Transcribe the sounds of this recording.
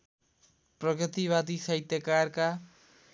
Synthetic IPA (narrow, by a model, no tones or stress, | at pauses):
pɾoket̪iβat̪̬isajt̪ekaɾka